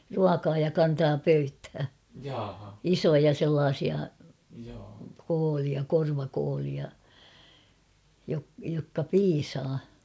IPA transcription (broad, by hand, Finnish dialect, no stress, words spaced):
ruɑkɑː jɑ kɑntɑː pøythæː isojɑ selːɑːsiɑ koːliɑ korʋɑkoːliɑ jokːɑ piːsɑː